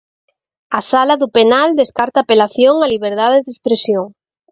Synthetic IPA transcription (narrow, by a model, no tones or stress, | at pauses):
asalaðupenald̪eskaɾt̪aːpelaθjoŋaliβ̞eɾðaðeðespɾesjoŋ